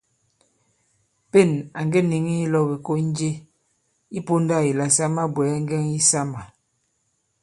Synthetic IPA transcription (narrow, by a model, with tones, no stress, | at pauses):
pe˦˨na˨ŋɡe˦ni˨ŋi˦i˦lɔ˦be˨ko˦n˦d͡ʒe˦ | i˦po˦nda˦˨i˨la˨sa˦ma˦bwɛ˨˦a˦ŋ˦ɡɛ˦ŋi˦sa˦ma˨